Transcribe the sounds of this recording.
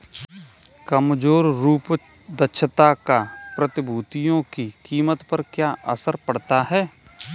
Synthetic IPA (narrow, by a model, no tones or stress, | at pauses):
kəmd͡ʒoːɾɾuːp | d̪əʃʰət̪akapɾət̪ɪbʱuːt̪ijõkikiːmət̪pɐɾkjaːʔɐ̰səɾpɐɽt̪aɦɛː